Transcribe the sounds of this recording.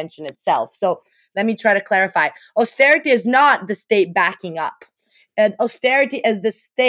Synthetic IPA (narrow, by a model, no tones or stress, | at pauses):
ɛ̃nʃɨ̃nɨtsɛ̰lˠfsoʊ | lɛt̚mitʰɹ̥aɪɾɨkʰl̥ɛɹɨfaɪɔstɛɹɨɾiɨznət̪̚ðɨsteɪt̚b̥ækɪ̃ŋʌ̰p | ɔstɛɹɨɾiʔɪzðɨste